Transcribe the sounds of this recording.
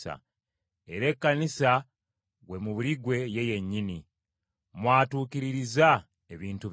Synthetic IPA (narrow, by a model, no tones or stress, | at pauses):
a̰ | e̞ɾe̞kːanisa | ɣwe̞muβuliɡwe̞je̞je̞ɲːini | mwaːtuːkiɾiɾiza | eβiːntu